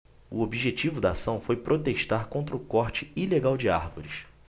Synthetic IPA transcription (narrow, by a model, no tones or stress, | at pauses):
ʊ̰obiʒet͡ʃivʊd̪ɐːsɐ̃w̃fojpɾot̪eʃt̪aɾkõnt̪ɾʊkɔχt͡ʃɪileɡawd͡ʒɪa̰ɾvoɾis